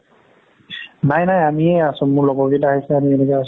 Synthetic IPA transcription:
najnajamiɛasʊ̃mʊɹlɔbɔɡitaɦisɛamienɛkɛas

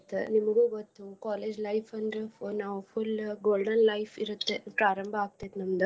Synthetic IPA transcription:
t̪nimɐɡuːɡot̪ːukaːleːd͡ʒlɐjfʰɐnd̪ɾenaːʋupʰulɡoːlɖɐnlɐjpʰiɾut̪ːepɾaːɾɐmbʱaaːɡ̚t̪et̪nɐmd̪u

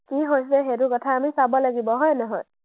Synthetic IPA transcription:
kiɦojsɛɦedukɔtʰaamisabɔlaɡibɔɦɔjnɔɦɔ̰j

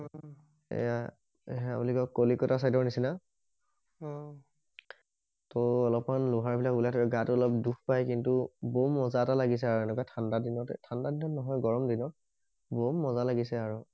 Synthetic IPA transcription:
ɔ | ḛja | a̰bulikɔkolikɔtas̬ajdɔɹnisina | ɔ̃ | tɔɔlɔpmanlʊɦaɹbʱilakulatʰɔkɛɡatʊɔlɔp̚duxpajkintubomːɔzatalaɡis̬ɛaɹuɛnɛkɔjtʰandadinɔttʰandadinɔnɔɦɔjɡɔɹɔmdinɔ | bomːɔzalaɡisɛaɹu

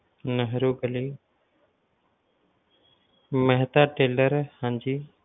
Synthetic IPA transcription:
nəɦɾuːɡəliː | məɦt̪aːʈeːləɾhãnd͡ʒiː

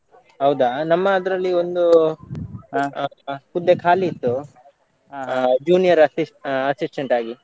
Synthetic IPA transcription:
ɦɐwd̪anɐmːɐːd̪ɾɐlːio̞nd̪u | pud̪ːekʰaːliːt̪ːu | d͡ʒuːnijɐɾɐsiɐsisʈeɳʈaːɡi

